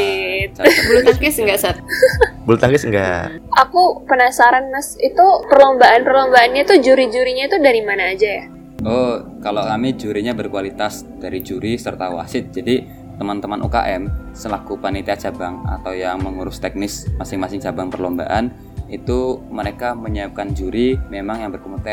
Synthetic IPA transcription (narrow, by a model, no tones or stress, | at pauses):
t̪t͡ʃabulaŋkɪsŋɡasat̪̚bult̪aŋkɪsŋɡa̰ʔakupənasaɾanmasit̪upərlombaʔanpərlombaanɲat̪ud͡ʒuɾid͡ʒuɾiɲait̪udaɾimanaːd͡ʒaja | ɔkalokamid͡ʒuɾiɲabərkualit̪as | daɾid͡ʒuɾisərt̪awa̰sɪt̪̚d͡ʒadi | t̪əmant̪əmanʔṵka̰ʔɛmsəlakupanit̪iat͡ʃabaŋa̰t̪awjaŋməŋuɾʊst̪ɛk̚nɪsmasɪŋmasɪŋt͡ʃabaŋpərlomba̰ʔan | it̪uməɾekaməɲəap̚kand͡ʒuɾimemaŋjaŋbərkomut̪ɛ